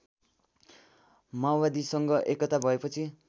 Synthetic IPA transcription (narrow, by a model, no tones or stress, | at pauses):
mawbad̪isʌŋɡʌʔekʌt̪abʱʌepʌt͡sʰi